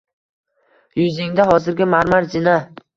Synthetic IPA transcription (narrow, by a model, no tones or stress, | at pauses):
jʊzɪŋd̪aɦɒzɪɾɡʲɪmaɾmaɾd͡ʒɪna